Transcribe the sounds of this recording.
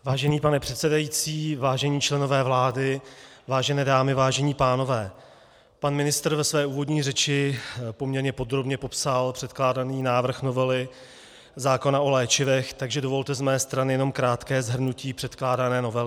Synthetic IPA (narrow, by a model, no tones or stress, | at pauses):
vaːʒɛniːpanɛpr̥ɛt̪sɛdajit͡siːvaːʒɛɲiːt͡ʃlɛno̞vɛːvlaːdɪvaːʒɛnɛːdaːmɪvaːʒɛɲiːpaːno̞vɛː | panmɪnɪst̪rvɛsvɛːʔuːvo̞dɲiːrɛt͡ʃɪpo̞mɲɛɾɲɛpo̞d̪ɾo̞bɲɛpo̞psalpr̝̥ɛt̪klaːdaniːnaːvr̩xno̞vɛlɪ | zaːko̞naʔo̞lɛːt͡ʃɪvɛxt̪aɡʒɛdo̞vo̞lt̪ɛzmɛːst̪ɾanɪjɛno̞mkɾaːt̪kɛːzɦr̩nuciːpr̥ɛt̪klaːdanɛːno̞vɛlɪ